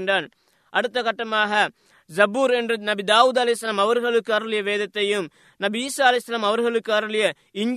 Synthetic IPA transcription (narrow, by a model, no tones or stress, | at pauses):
ɳɖaːn | ɐɽɯt̪ːɐɣɐʈːɐmaːɣɐ | zɐbuːɾɛndrɯnɐbid̪aːʋuːd̪ɐlɐjsːɐlaːmɐʋɐɾɣɐɭɯkːaːɾɐɭɪjɐʋeːðɐt̪ːɐjɯm | nɐbiiːsaːɐlɐjsːɐlaːmɐʋɐɾɣɐɭɯkːaːɾɐɭɪjɐ | ɪɲ